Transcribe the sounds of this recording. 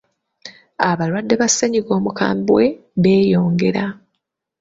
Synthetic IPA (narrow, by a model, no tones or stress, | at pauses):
aβaɾwadːe̞βasːeɲiɡo̞ːmuka̰ːmbwe̞ | βe̞ːjo̞ːŋɡe̞ɾa